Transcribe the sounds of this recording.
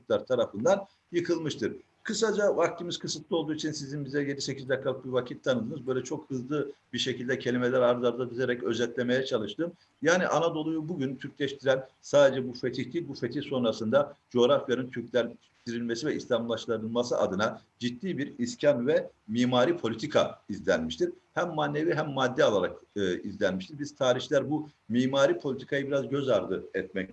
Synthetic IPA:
uk̪lˠaɾt̪ʰaɾafɯnd̪an | jɯkʰɯlˠmɯʃt̪ʰɯɾ | kʰɯsad͡ʒavak̚t̪ʰimiz̥kʰɯsɯt̪lˠɯo̞lˠd̪uːit͡ʃʰinsizinbizɛje̞d̪ise̞cʰizd̪akʰːalˠɯk̚biɾvacʰit̪ʰːanɯd̪ɯːnɯzbø̞jlʲɛt͡ʃʰo̞khɯzlˠɯbiɾʃe̞cʰilʲd̪ɛcʰe̞lʲimelʲæɾaɾd̪aɾd̪ad̪izeɾɛcø̞zɛt̪lʲe̞me̞jɛt͡ʃʰalˠɯʃt̪ɯːm | jaːniʔanad̪o̞lˠujubuɟynt̪ʰyɾcʲlʲɛʃt̪ʰiɾænsaːd̪e̞d͡ʒɛbufet̪ʰiçt̪ʰʲilʲbufet̪ʰiçso̞nɾasɯnd̪ad͡ʒo̞ɾafjanɯnt̪ʰyɾcʲlʲæ | t̪ʰiɾilʲmesivɛislʲamlˠaʃlˠaɾɯlˠmasɯʔa̰d̪ɯnad͡ʒit̪ːiːbiɾiscʰanvɛmiːmaːɾipʰo̞lʲit̪ʰikʰa̰izlʲænmiʃt̪ʰiɾ̥hæmːaːnːeviɦæmːad̪ːɛalˠaɾakɯizlʲænmiʃt̪iɾbiz̥t̪ʰaːɾiçlʲæɾbu | miːmaːɾiːpʰolʲit̪ʰi̥kʰajɯbiɾazɟø̞zaɾd̪ɯɛt̪mɛc

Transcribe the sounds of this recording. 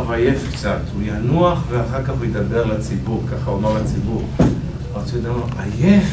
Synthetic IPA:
vajefkt͡sat̪ujanuaχveaχaʁkaχujed̪abe̞ʁlat͡sibuʁkaχaomaʁlat͡sibuʁ | at͡suod̪amaajef

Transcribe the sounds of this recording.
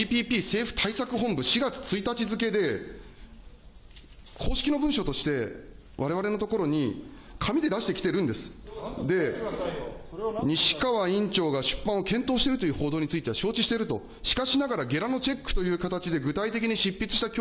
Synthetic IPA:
pʲiːpʲiːse̞ːɸɯ̟̥t̪ʰaisakɯ̟ɦõ̞mbɯ̟ɕiɡat͡sɨ̥t͡sɨit̪at͡ɕizɨke̞d̪e̞ | kʰo̞ːɕi̥kʲino̞bɯ̟̃ɰ̃ɕo̞t̪o̞ɕi̥t̪e̞ | βaɾe̞β̞aɾe̞no̞t̪o̞ko̞ɾo̞ɲ̟i | kʰamʲid̪e̞d̪aɕit̪e̞kʲit̪e̞ɾɯ̟̃nd̪e̞sɨ̥d̪e̞ | ɲ̟iɕi̥kaβaĩɲ̟t͡ɕo̞ːɡaɕɨ̥pːãɰ̃okẽ̞nt̪o̞ːɕi̥t̪e̞ɾɯ̟t̪o̞jɯ̟ːho̞ːd̪oːɲ̟it͡sɨit̪e̞βaɕo̞ːt͡ɕiɕi̥t̪e̞ɾɯ̟t̪o̞ | ɕi̥kaɕinaɡaɾaɡe̞ɾano̞t͡ɕe̞kːɯ̟̥t̪o̞jɯ̟ːkat̪at͡ɕid̪e̞ɡɯ̟t̪ait̪e̞k̬ʲiɲ̟iɕipʲːit͡sɨ̥ɕi̥t̪akʲ

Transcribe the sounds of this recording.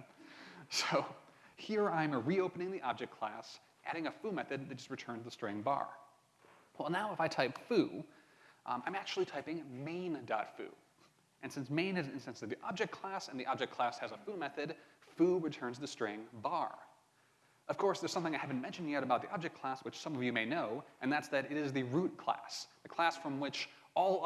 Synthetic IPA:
soʊhiɹãɪ̃məɹioʊpənɪ̃ŋðiʔɑb̚d͡ʒɨk̚kʰl̥æs | ʔæ̰ɾɪ̃ŋɨfumɛθɨd̪̚ðɨt̚d̥ʒ̥ʌst̚ɹɨtʰɜ̃˞nzðəstɹ̥ẽɪ̃nbɑ̰ɹ | wɛlˠnaʊəfaɪtʰaɪpfu | ã̰ɪ̃mæk̚t͡ʃʉl̩ˠitʰaɪpɪ̃ŋmẽɪ̃ndɑ̰tfʉ̰ | ʔɨ̃nsɪ̃nsmẽɪ̃nɨznɨ̃nstɨ̃nsɨðiʔɑb̚d͡ʒɨk̚kʰl̥æsɨ̃nðiʔɑb̚d͡ʒɨk̚kʰl̥æshɨzəfumɛθɨd̥fuɹɨtʰɜ̃˞nzðɨstɹ̥ẽɪ̃ŋbɑ̰ɹ | ʌv̥kʰɔɹsðə˞z̥sʌ̃mθɪ̃ŋaɪhævɨ̃n̩mɛ̃nʃɨ̃ndjɛɾɨbaʊðiʔɑb̚d͡ʒɨk̚kʰl̥æswɨt͡ʃsʌ̃mʌvjɨmeɪnoʊʔɨ̃nðætsðɨɾɨɾɨzðɨɹut̚kʰl̥æ̰sðɨkʰl̥æsfɹʌ̃mwɪt͡ʃ | ɔlˠ

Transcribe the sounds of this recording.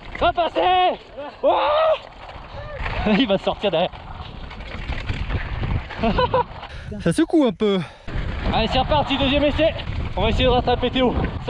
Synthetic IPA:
ʁapase | wɛ | ivasɔʁt̪iʁd̪ɛʁjɛʁ | sasəkuɛ̃pø | aisɛʁpaʁt̪id̪əzjɛmeseɔ̃vaesejed̪əʁat̪ẽapet̪eos

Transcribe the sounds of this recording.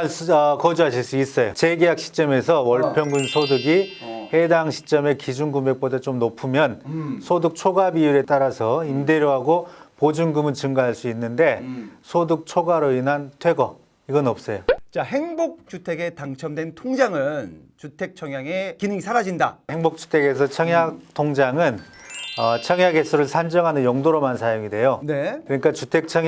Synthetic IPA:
ʌkʌd͡ʑuɦaɕʰiɭs͈uis͈ʌjot͡ɕe̞ɡejak̚ɕʰi̥t͡ɕ͈ʌmes̬ʰʌwʌɭpʰjʌŋɡɯnsʰodɯɡi | he̞daŋɕʰi̥t͡ɕ͈ʌme̞kid͡ʑunɡumbe̞k̚p͈odat͡ɕomnopʰumjʌnsʰodɯk̚t͡ɕʰoɡabiuɾe̞t͈aɾasʰʌinde̞ɾjoɦaɡopod͡ʑunɡɯmɯnt͡ɕɯŋɡaɦaɭs͈uinːɯnde̞sʰodɯk̚t͡ɕʰoɡaɾoinɦantʰwe̞ɡʌ | iɡʌnʌp̚s͈ʌjot͡ɕaɦe̞ŋbok̚t͡ɕutʰe̞ɡe̞taŋt͡ɕʰʌmdwe̞ntʰoŋd͡ʑaŋɯnt͡ɕutʰe̞k̚t͡ɕʰʌŋjaŋe̞kinɯŋisʰaɾad͡ʑindaheŋbok̚t͡ɕ͈u̥tʰe̞ɡe̞s̬ʰʌt͡ɕʰʌŋjak̚tʰoŋd͡ʑaŋɯnʌt͡ɕʰʌŋjaɡesʰuɾɯɭsʰand͡ʑʌŋɦanɯnjʌŋdoɾʌmansʰajoŋide̞jone̞kɯɾʌɲik͈at͡ɕutʰe̞k̚t͡ɕʰʌŋ

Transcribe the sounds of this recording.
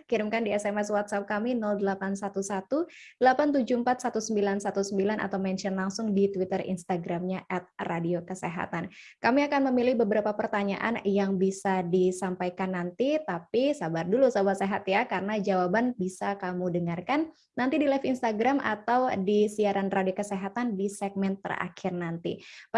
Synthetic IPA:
kiɾɪmkandiɛsɛmɛswat̪̚sap̚kaminɔldəlapansat̪usat̪ud̥əlapant̪ud͡ʒuəmpat̪̚sat̪usəmbilansat̪usəmbilanʔa̰t̪awmɛnʃənlaŋsʊŋdit̪wit̪ərḭnst̪aɡɾamɲaʔɛt̪̚radiokəseɦa̰t̪ankamiakanməmilɪhbəbəɾapapərt̪aɲa̰ʔa̰njaŋbisadisampajkanːant̪it̪apisabardulusabaseɦat̪jakarənad͡ʒawabanbisakamudəŋarkanː | ant̪idilafinst̪aɡɾamʔa̰t̪awdisiaɾanradiokəseɦat̪andisɛɡ̚mɛnt̪ə̰ra̰kʰɪrnant̪ḭ

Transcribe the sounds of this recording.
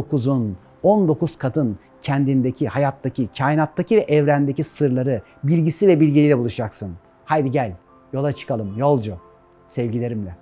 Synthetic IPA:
okuzun | ond̪o̞kuzkʰad̪ɯn | cʰɛnd̪ind̪ecʰihajat̪ːacʰicʰaːjinat̪ːacʰivɛʔɛvɾænd̪ecisɯɾlˠaɾɯ | bilʲɟisivɛbilʲɟilʲijlʲɛbulˠuʃd͡ʒaksɯn | hajd̪iɟælʲ | jo̞lˠat͡ʃʰɯ̥kʰalˠɯmjo̞lˠd͡ʒu | sɛvɟilʲe̞ɾimlʲɛ

